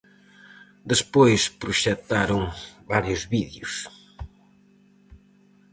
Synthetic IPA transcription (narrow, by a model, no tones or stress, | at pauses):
d̪espojspɾuʃɛt̪aɾoŋβaɾjʊzβiðjus